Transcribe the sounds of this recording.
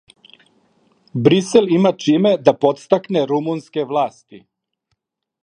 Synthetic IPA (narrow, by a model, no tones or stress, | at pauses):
bɾiselimat͡ʃimed̪apo̞t̪st̪akneɾumunskeʋlˠaːst̪i